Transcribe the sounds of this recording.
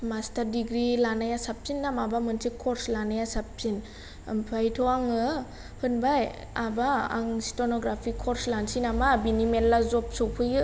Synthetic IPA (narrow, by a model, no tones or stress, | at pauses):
mastaɾdiɡɾilanajasapʰinːamabamɯnsʰikʰɔɾslanajasapʰin̰ | mpʰajtʰɔaŋɯ | hʰɯnbaj | abaa̰ŋsi̥tʰɔnɔɡɾapʰikʰɔɾslansinamabinimelːazɔp̚sɔwpʰɯjɯ